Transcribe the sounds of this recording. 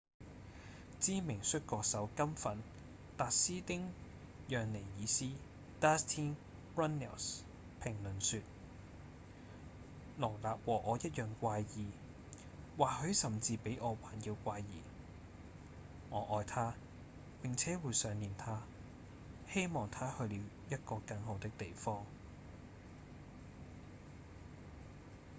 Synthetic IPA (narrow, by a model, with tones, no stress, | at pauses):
t͡siː˥mɪ˨˩ŋsɵ˥t̚kɔː˧k̚sɐ˨˥wkɐ˥mfɐ˨n | t̪aː˨t̚siː˥t̪ɪ˥ŋ | jœː˨ŋle˨˩jjiː˨˧siː˥ | t̪aː˥st̪ʰiː˥n | pɹɐ˥nɛ̰˨˩ws | pʰɪ˨˩ŋlɵ˨nsyː˧t̚ | lɔː˨˩laː˨p̚wɔː˨˩ʔɔː˨˧jɐ˥t̚jœː˨ŋkʷaː˧jjiː˨ | waː˨hɵ˨˧˥sɐ˨˩mt͡siː˧pe˨˥jʔɔː˨˧waː˨˩njiː˧wkʷaː˧jːiː˨ | ŋɔː˨˧ʔɔː˨˧jt̪ʰaː˥ | pɪ˨˩ŋt͡sʰɛː˨˥wuː˨˧jsœː˨˧ŋliː˨˩nt̪ʰaː˥ | he˥jmɔː˨˩ŋt̪ʰaː˥hɵ˧ɥliː˨˧w | jɐ˥t̚kɔː˧kɐ˨˥ŋɦo˨˧wt̪ɪ˥k̚t̪e˨jfɔː˥ŋ